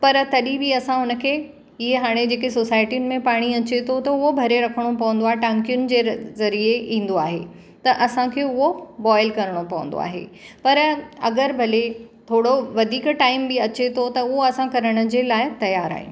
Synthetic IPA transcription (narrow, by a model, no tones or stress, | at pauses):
pɐɾt̪ɐɗĩbiɐsãɦʊnə̆kʰeː | ɪɦeɦaːɽ̃ed͡ʑeːkesoːsaːɪʈijʊnɪ̆mẽpaːɽ̃iɐt͡ɕet̪ʰot̪ɐʊɦobʱɐɾeɾɐkʰəɽ̃opɐʋə̃n̆d̪oaːɦeʈãːŋkijʊnɪ̆d͡ʑeːzɐɾieĩːn̆d̪oaːɦḛ | t̪ɐʔɐsãkʰeːʊɦobɔːɪlkɐɾəɽ̃opɐʋə̃nd̪o̰a̰ːɦḛpɐɾɐɡəɾbʱɐle | t̪ʰoːɽoʋɐd̪ʱiːkʈaːɪmbɪɐt͡ɕet̪ʰot̪ɐʊɦoɐsãkɐɾəɽ̃ʊ̆d͡ʑeːlaːɪt̪ɐjaːɾa̰ːɦḭ̃